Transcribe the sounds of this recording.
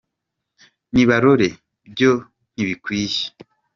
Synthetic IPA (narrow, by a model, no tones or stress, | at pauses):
niβaɾoɾe | b̚jo | n̥iβikwiːʃe̥